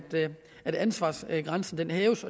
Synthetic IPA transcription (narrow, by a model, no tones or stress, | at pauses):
d̥ | æd̥ænsʋɑ̈ːsɡ̥ʁɑnsn̩d̥enɦɛːʊsɒ̽